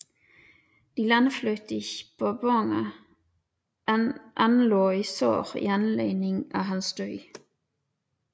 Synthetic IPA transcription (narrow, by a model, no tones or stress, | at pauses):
d̪̥iːlanflœʏt̪ɪçpʰoːbɔŋə | ʔanloːiːsø̰ːʁḭːɑnleːnɪŋɑːɦɑnsd̪̥œʏ